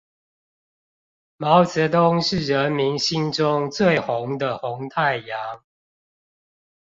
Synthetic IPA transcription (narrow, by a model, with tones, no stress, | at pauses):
mɑ˨˦ʊt͡sə˨˦t̪ʊ˦ŋʂɻ̩˥˨ɻə˨˦nmi˨˦nɕi˦nʈ͡ʂʊ˦ŋt͡swe˥˨ɪxʊ˨˦ŋd̪ə˨xʊ˨˦ŋt̪ʰa˥˨ɪja˨˦ŋ